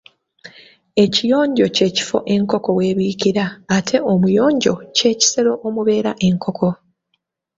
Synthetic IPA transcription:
e̞cijo̞ːɲɟo̞ce̞ːci̥fo̞̰ʔe̞ŋko̞ko̞we̞ːβiːciɾaːtʰe̞ʔomujo̞ːɲɟo̞̰ce̞ːci̥se̞ɾo̞ʔomuβe̞ːɾaʔe̞ŋkʰo̞kʰo̞

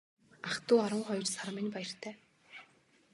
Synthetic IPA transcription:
aχt̪uːaɾwə̆ŋχɔjt͡ɕsaɾmɪ̆npæjɪ̆r̥t̪ʰæː

